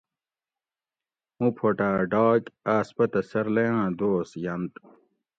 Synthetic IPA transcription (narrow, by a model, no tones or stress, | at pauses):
ũpʰoʈaːɖaːkaːspɐt̪ɐsɐɾlejãːd̪oːsjɐnt̪